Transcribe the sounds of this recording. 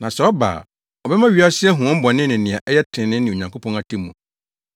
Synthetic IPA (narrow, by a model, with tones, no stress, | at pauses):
nã˨sɛ˨ɔ˦ba̰ː˨ | ɔ˨bɛ˦mã˦ɥi˨˦a˦sɪ˦ɛ˦ɦʊ̃˨ɔ̃˦m̩˦bɔ̃˨nɪ̃˦nɪ̃˨nɪ̃˨a˨ʔɛ˦jɛ˦tʰɪ̃˨nɪ̃˦nɪ̃˨o˨ɲã˨ŋkʷʰo˦pʰɔ̃˦na˦tʰɪ̃˦mːũ˨